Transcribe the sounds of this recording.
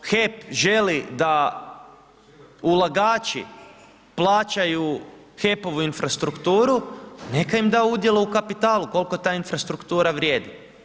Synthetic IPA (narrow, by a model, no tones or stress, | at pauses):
xepʒe̞lid̪a | ulˠaɡaːt͡ʃḭ | plˠaːt͡ɕaju | xe̞po̞ʋuinfɾast̪ɾukt̪uːɾune̞kaimd̪aoud̪je̞lˠoukapit̪aːluko̞lko̞t̪aːinfɾast̪ɾukt̪uːɾaʋɾʲjeːd̪i